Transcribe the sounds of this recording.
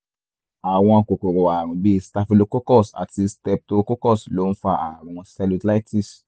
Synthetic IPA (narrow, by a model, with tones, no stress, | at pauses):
a˨w̃ɔ̃˧˨ko˨ko˨ɾo˨a˨ɾ̃ũ˨bi˦˧˦sta˧fi˧lo˧ko˦kɔ˦˨sa̰˨ti˧stɛ˧p̚to˦ko˦kɔ˦˨slo˨˦n̩˦fa˧a˨ɾũ˨wɔ̃˧sa˧lu˧tla˦ti˦˨s